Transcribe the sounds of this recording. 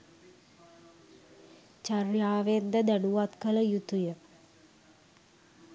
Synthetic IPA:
t͡ʃarjaːʋend̪əd̪ænuʋat̪kələjut̪ujə

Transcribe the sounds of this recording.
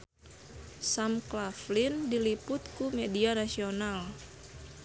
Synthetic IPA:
samklaflindilipʊt̪kumedianasional

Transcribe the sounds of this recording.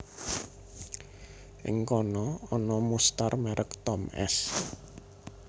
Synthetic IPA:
ʔɪ̰ŋkɔnɔɔnɔmust̪armɛɾʔəkt̪ɔmɛ̰s

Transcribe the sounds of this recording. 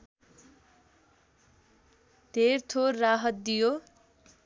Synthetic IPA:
d̪̥ʱert̪ʰorːaɦʌt̪̚d̪ijo

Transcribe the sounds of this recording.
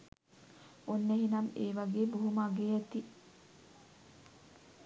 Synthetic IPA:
onːeɦinameːʋaɡeːbuɦumaɡeːjat̪i

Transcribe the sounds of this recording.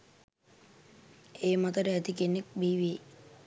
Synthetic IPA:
eːmat̪əɾəæd̪ikenːek̚biːʋie

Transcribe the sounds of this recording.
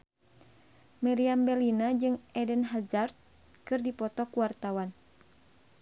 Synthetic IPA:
mɛɾiambɛlinad͡ʒɨŋɛdənɦad͡ʒart̪̚ | kɨrdipɔt̪ɔkuwart̪awan

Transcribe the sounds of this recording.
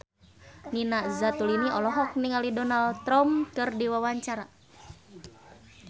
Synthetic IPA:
ninazat̪uliniɔlɔɦɔk̚niŋalidɔnalt̪ɾɔmkɨrdiwawaɲt͡ʃaɾa

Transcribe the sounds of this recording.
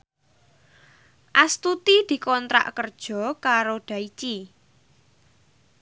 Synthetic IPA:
ʔast̪ut̪id̪̥i̤kɔnt̪ɾa̰ʔkərd̥ʒ̥ɔ̤kaɾoɖ̪̥a̤it͡ʃi

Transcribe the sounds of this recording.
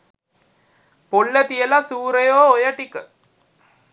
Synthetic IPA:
poɭːət̪ijəlasuːɾəjoːojɐʈikə

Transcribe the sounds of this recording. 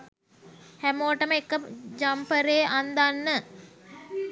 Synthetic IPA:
hæmoːəʈəməekːəd͡ʒampəɾeːʔand̪anːə

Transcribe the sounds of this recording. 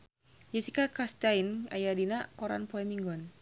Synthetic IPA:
jɛsikakɾast̪aina̰jadinakɔɾa̰npɔɛmiŋɡɔn

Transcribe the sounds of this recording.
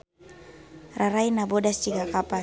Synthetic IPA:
raɾainabodast͡ʃiɡakapa

